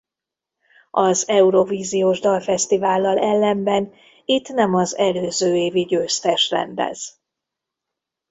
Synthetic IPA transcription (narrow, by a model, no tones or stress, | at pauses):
ʔɒzɛuɾo̞viːzijoːʒd̪ɒlfɛst̪ivaːlːɒlɛlːɛmbɛn | it̪nɛmɒzɛløːzøːeːviɟøːst̪ɛʃrɛ̰nd̪ɛ̰z̥